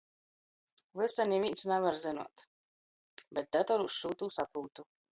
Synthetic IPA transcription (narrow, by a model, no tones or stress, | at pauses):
vɨsanʲivint̪snɛvaɾzinṵɔt̪ | bɛt̪̚d̪at̪ɔɾusʃuːt̪uːsapɾuːt̪u